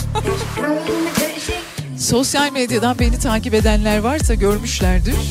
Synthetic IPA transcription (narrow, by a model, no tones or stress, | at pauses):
so̞sjalʲmed̪jad̪anbe̞nit̪ʰaːcipe̞d̪ænlʲæɾvaɾsaɟø̞ɾmyʃlʲæɾd̪iɾ̥